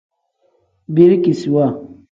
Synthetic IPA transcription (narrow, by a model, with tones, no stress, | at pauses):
bi˦ɾi˦ki˨si˨wa˦˨